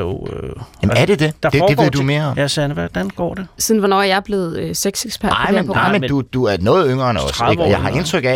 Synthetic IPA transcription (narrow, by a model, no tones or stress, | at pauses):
oøjæmæɐd̥e̝d̥e̝d̥ɑ̈fe̥ːeʋið̰ˠdume̝ːɐɒ̽mjæsænəʋæd̥ænɡ̥ɒ̰ːd̥e̝siðˠn̩ʋɒnɒ̰ːjɑ̈ɐb̥le̝ð̞̩ˠøseɡ̥seɡ̥sb̥ʰæɐ̰ɑ̈ɪ̰menpɑ̈ɪ̰mend̥ud̥uæɐnɔːð̩ˠøŋ̰ɐnɒsejɑ̈ɪɦɑ̈e̝nt͡sʰʁœɡ̥æ